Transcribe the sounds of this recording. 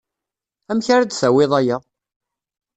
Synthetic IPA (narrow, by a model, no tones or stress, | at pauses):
æmçaɾæd̪sæwɪðˤæja